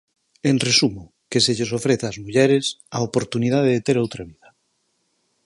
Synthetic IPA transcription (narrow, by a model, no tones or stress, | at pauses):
enresumo | keseʎesofɾeθazmuʎɛɾes | aopoɾt̪unið̞aðeðet̪eɾowt̪ɾaβiða